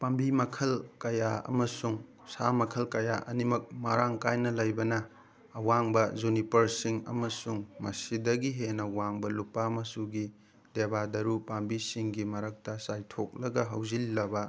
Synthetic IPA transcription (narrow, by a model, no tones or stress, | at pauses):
pambimɐkʰɐlkɐjaɐ̰mɐsuŋ | samɐkʰɐlkɐjaʔɐnimɐk̚maɾaŋkajnɐlɐjbɐnɐː | waŋbɐzunipɐɾsiŋɐ̰mɐsuŋmɐsidɐɡiɦenɐwaŋbɐlupːamɐsuɡi | debadɐɾupambisiŋɡimɐɾɐk̚tɐsajtʰok̚lɐɡɐɦɐwzilːɐbɐ